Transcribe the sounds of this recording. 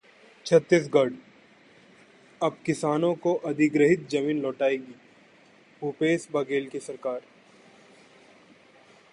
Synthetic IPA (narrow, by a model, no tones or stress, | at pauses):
t͡ʃʰɐt̪ːɪs̬ɡɐɾɖ | ɐb̚kɪsaːnõkoʔɐd̪ɪɡɾəɦɪt̪̚d͡ʒɐmiːnlɔːʈaːeːɡiː | ɦuːpeːsbɐɡeːlkesɐɾkaːɾ